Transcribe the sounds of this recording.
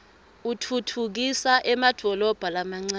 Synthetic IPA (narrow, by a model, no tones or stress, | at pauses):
utʰutʰuk̬isaʔɛmad̥ʱɔlɔb̥ʱalamaŋ͡ǀa